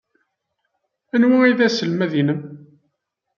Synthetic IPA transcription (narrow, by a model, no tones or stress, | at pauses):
ænwæiðæsəlmæðinəm